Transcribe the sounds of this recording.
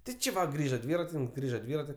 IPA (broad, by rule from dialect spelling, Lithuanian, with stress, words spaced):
ˈtʲɪ ˈt͡ʃʲɪ ˈʋɐ ˈɡrʲiːʒɐ ˈdʲʋʲiːrɐtʲɪnʲɪŋks ˈɡrʲiːʒɐ ˈdʲʋʲiːrɐtʲɪ